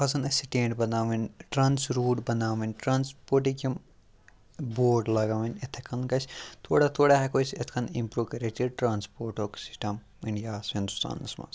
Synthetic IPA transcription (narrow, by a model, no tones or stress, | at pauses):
pʰɐsɐnɐsiʈẽːɳʈbɐnaːʋɐnʈɾaːnsɾuːʈbɐnaːʋɐnʈɾaːnspoːɾʈ̬ikʲɐm | boːɾɖlɐɡɐʋɐnʲet̪ʰekʰɐnkɐt͡ʃʰʲt̪ʰoːɽat̪ʰoːɽaɦekot͡ʃet̪ʰkʰɐnĩmpɾuːkɐɾeʈiɖ̚ʈɾãːnspoːɾʈoːksi̥sʈɐm | iɳɖijaːshĩnd̪ust̪a̰ːnɐ̰smɐ̰ns